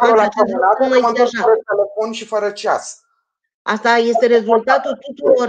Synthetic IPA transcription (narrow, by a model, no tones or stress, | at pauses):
lat͡ʃenanumaj̪eaʃaɾət̪̚ele̞fonʃifəɾət͡ʃa̰s | ʔast̪aje̞st̪e̞ɾe̞zult̪at̪ult̪ut̪uɾo̞r